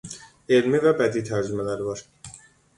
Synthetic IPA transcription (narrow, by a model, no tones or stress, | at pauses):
e̞lmivæbæd̪it̪ʰæɾd͡ʒymælæɾivɑɾ